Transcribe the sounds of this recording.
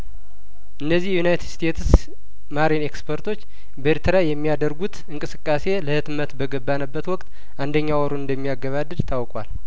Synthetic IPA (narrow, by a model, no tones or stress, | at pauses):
ʔɨnːəzːihjjunajt̪ɨd̪st̪ʰet̪s | maɾene̞kspʰəɾt̪ʰo̞t͡ʃː | bəeɾt̪ʰəɾajɛmːijad̪əɾɡut̪ɨŋkʼɨsɨkʼːase̞ləhɨt̪mət̪bəɡəbːanəbːət̪wɔkʼt̪ | ʔand̪əɲːawɔɾonɨnd̪əmːijaɡːəβad̪ːɨd̪t̪ʰawkʼwal